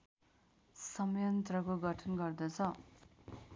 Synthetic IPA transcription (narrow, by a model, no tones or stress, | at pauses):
sʌmjʌnt̪rʌkoɡʌʈʰʌnɡʌrd̪ʌt͡sʰʌ